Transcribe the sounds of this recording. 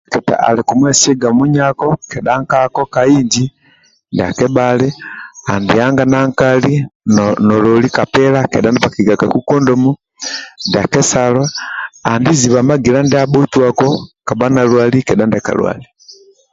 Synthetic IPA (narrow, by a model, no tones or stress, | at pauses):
keta̰ʔa̰likumwesiɡamuɲakokeɗaŋkakokaiːɲd͡ʒi | ndiakebaliandijaŋɡanaŋkalinololikapelakeɗandiβakiɡaɡakukondomu | ndiakesaloandiziβamaɡilandiaβotwakokabanalwalikeɗandaka̰lwa̰li